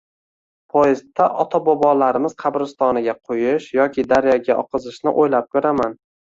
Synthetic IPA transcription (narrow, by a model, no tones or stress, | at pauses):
pʰɒjɪzt̪ʰːaʔɒt̪ʰabɒbɒlaɾɪmɪz̥qʰɑbɾɪst̪ɒnɪɡʲaqʰojɪʃjɒkʲʰɪd̪aɾjaɡʲaʔɒ̰qʰɨzɪʃnɪʔojlap̚kʰɵɾaman